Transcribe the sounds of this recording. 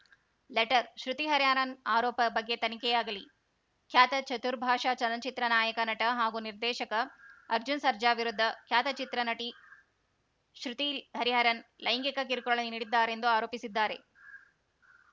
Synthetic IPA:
leʈɐɾʃɾut̪iɦɐɾjaːnɐnaːɾɔːpɐbɐɡːet̪ɐnikɛjaːɡɐli | kʰjaːt̪ɐt͡ʃɐt̪uɾbʱaːʃaːt͡ʃɐlɐnt͡ʃit̪ɾɐnaːjɐkɐnɐʈɐɦaːɡuniɾd̪ɛːʃɐkɐɐɾd͡ʒunsɐɾd͡ʒaːʋiɾud̪ʱːɐkʰjaːt̪ɐt͡ʃit̪ɾɐnɐʈi | ʃɾut̪iɦɐɾiɦɐɾɐnlʔɐjŋɡikɐkiɾkuɐɭɐniniːɽid̪ːaːɾend̪uaːɾoːpisid̪ːaːɾe̞̰

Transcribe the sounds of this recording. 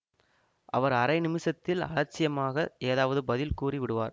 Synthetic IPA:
ʔɐʋɐɾɐɾɐɪnɪmɪsɐt̪ːɪlɐ̰ɭɐt͡ʃːɪjɐmaːɣɐeːðaːʋɐðɯbɐðɪlkuːriʋɪɽɯʋaːɾ

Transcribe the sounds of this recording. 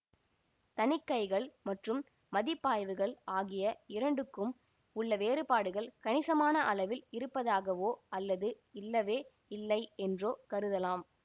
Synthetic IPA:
t̪ɐnɪkːɐɪɣɐɭmɐʈrɯm | mɐðɪpːaːjʋɯɣɐɭaːɣɪjɐɪɾɐɳɖɯkːɯm | ʊɭːɐʋeːɾɯpaːɽɯɣɐɭkɐɳɪsɐmaːnɐʔɐlɐʋɪlɪɾɯpːɐðaːɣɐʋoːɐlːɐðɯ | ɪlːɐʋeː | ɪlːɐɪɛndroːkɐɾɯðɐlaːm

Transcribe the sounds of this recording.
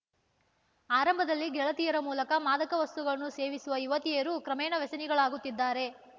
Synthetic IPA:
aːɾɐmbʱɐd̪ɐlːiɡɛɭɐt̪ijɐɾɐmuːlɐkɐmaːd̪ɐkɐʋɐst̪uɡɐɭɐnuse̞ːʋisuʋɐiʋɐt̪ijeːɾukɾɐmɛːnɐʋɛsɐniɡɐɭaːɡut̪ːid̪ːaːɾe̞

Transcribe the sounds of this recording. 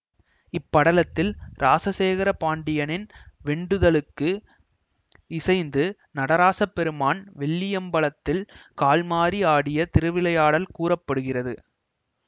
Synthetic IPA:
ɪpːɐɽɐlɐt̪ːɪlɾʔaːsɐseːɣɐɾɐpaːɳɖɪjɐnɪnʋɛɳɖɯðɐlɯkːɯ | ɪsɐɪnd̪ɯ | nɐɽɐɾaːsɐpːɛɾɯmaːnʋɛɭːɪjɐmbɐɭɐt̪ːɪlkaːlmaːɾiaːɽɪjɐt̪ɪɾɯʋɪlɐjaːɽɐlkuːrɐpːɐɽɯɣɪrɐðɯ

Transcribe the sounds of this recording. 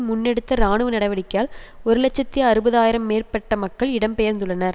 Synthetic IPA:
mʊnːɛɽɯt̪ːɐɾaːɳɯʋɯnɐɽɐʋɐɽɪkːjaːlɔɾɯlɛt͡ʃːɐt̪ːɪjɐːɾɯbɐðaːjɪɾɐmːeːrpɐʈːɐmɐkːɐɭɪɽɐmpɛjɐɾnd̪ɯɭːɐnɐɾ

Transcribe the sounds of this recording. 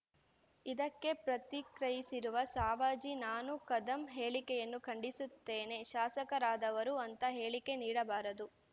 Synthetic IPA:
id̪ɐkːe̞pɾɐt̪ikɾɐjisiɾuʋɐsaːʋaːd͡ʒinaːnukɐd̪ɐmɦeːɭikɛjɐnːukʰɐɳɖisut̪ːeːne̞ʃaːsɐkɐɾaːd̪ɐʋɐɾuɐnt̪ɐɦe̞ːɭike̞niːɽɐbaːɾɐd̪u

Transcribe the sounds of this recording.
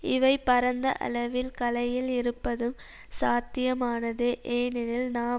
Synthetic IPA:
ɪʋɐɪpːɐɾɐnd̪ɐ̰ʔɐ̰lɐʋɪlkɐlɐjɪlɪɾɯpːɐðɯm | saːt̪ːɪjɐmaːnɐðɯʔeːnɪnɪlnaː

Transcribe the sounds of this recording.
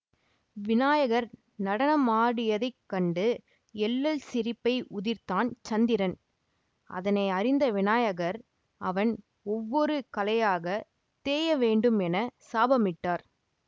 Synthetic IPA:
ʋɪnaːjɐɣɐɾ | nɐɽɐnɐmaːɽɪjɐðɐɪkːɐɳɖɯ | ɛlːɐlsɪɾɪpːɐɪʊðɪɾt̪aːnt͡ʃɐnd̪ɪɾɐn | ʔɐ̰ðɐnɐɪɐɾɪnd̪ɐʋɪnaːjɐɣɐɾ | ɐʋɐn | ɔʋːɔɾɯkɐlɐjaːɣɐ | t̪eːjɐʋeːɳɖɯmɛnɐsaːbɐmɪʈːaːɾ

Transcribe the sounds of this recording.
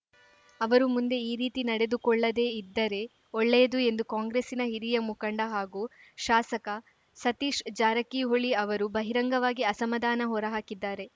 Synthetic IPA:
ɐʋɐɾumund̪e̞iːɾiːt̪inɐɽe̞d̪ukɔɭːɐd̪e̞ːid̪ːɐɾe̞ | oɭːejɐd̪ue̞nd̪ukaːŋɡɾesinɐɦiɾijɐmukɐɳɖɐɦaːɡuːʃaːsɐkɐ | sɐt̪iːʃd͡ʒaːɾɐkiɦoɭiɐʋɐɾubɐɦiɾɐŋɡɐʋaːɡiɐsɐmɐd̪aːnɐɦɔɾɐɦaːkid̪ːaːɾe̞

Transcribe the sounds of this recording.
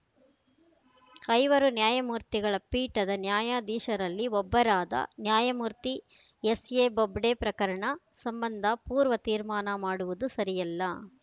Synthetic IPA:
kɐjʋɐɾunjaːjɐmuːɾt̪iɡɐɭɐpiːʈɐd̪ɐnjaːjaːd̪iːʃɐɾɐlːiɔbːɐɾaːd̪ɐ̰njaːjɐmuːɾt̪i | esjeːbobɖeːpɾɐkɐɾɐɳɐsɐmbɐnd̪ʱɐpuːɾʋɐt̪iːɾmaːnɐmaːɽuʋud̪usɐɾijɐlːɐ

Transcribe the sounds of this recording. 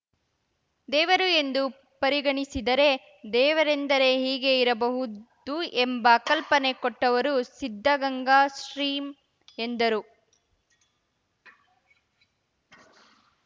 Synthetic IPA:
d̪ɛːʋɐɾue̞nd̪u | pɐɾiɡɐɳisid̪ɐɾe̞ | d̪ɛːʋɐɾe̞nd̪ɐɾe̞ɦiːɡe̞iɾɐbɐɦud̪uʔembɐkɐlpɐne̞koʈːɐʋɐɾusid̪ʱːɐɡɐŋɡaːsɾiːm | end̪ɐɾu

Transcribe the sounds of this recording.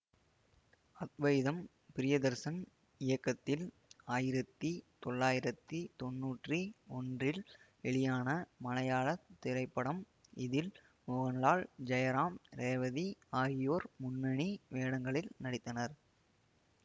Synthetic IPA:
ɐt̪ʋɐjɪðɐm | pɪɾɪjɐd̪ɐɾsɐn | ɪjɐkːɐt̪ːɪl | aːjɪɾɐt̪ːit̪ɔɭːaːjɪɾɐt̪ːit̪ɔnːuːʈriɔndrɪl | ɛɭɪjaːnɐmɐlɐjaːɭɐt̪ːɪɾɐɪpːɐɽɐm | ɪðɪl | mʊɣɐnlaːɭd͡ʒɐjɐɾaːmɾeːʋɐðiaːjɪjoːɾmʊnːɐɳiʋeːɽɐŋɡɐɭɪlnɐɽɪt̪ːɐnɐɾ

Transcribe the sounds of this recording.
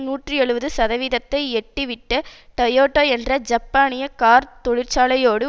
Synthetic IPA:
nuːʈrɯɛɭɯʋɐðɯsɐðɐʋiːðɐt̪ːɐɪɛʈːiʋɪʈːɐʈɐjoːʈːoːɛndrɐd͡ʒɐpːaːnɪjɐkaːɾt̪ɔɻɪɾt͡ʃaːlɐjoːɽɯ

